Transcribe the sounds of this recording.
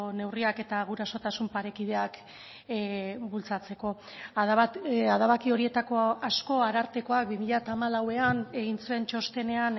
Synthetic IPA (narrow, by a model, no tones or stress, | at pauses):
ne̞wriake̞t̪aɣ̞uɾaso̞t̪asumpaɾe̞kið̞e̞ak | bult͡sat͡se̞ko̞ | aðaβakio̞ɾie̞t̪ako̞asko̞aɾaɾt̪e̞ko̞ak̚bimiʎat̪aːmalawe̞aneɣint͡sue̞nt͡ʃo̞st̪e̞ne̞an